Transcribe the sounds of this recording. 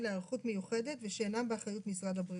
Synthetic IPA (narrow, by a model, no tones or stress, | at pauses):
leaʁχutme̞juχedetveʃeːnambeaχajutmisʁad̪habʁi